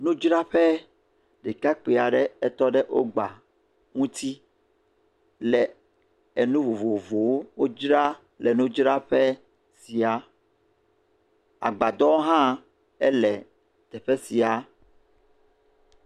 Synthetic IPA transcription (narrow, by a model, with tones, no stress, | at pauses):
nũ˦d͡ʒɾa˦ɸɛ˦ | ɖi˨ka˦k͡pe˨a˨ɖɛ˦ɛ˦t̪ɔ˦ɖɛ˦ʔo˦ɡ͡ba˨ | ŋũ˦t̪ʰi˦ | lɛ˨ | ɛ˨nũ˦vo˨vo˨vo˨wo˦wo˦d͡ʒɾa˦ | lɛ˨nũ˦d͡ʒɾa˦ɸɛ˦ | si˨a˨ | a̰˨ɡ͡ba˨d̪ɔ˦wo˦ɦã˦ | ɛ˦lɛ˨ | t̪ɛ˨ɸɛ˦si˨a˨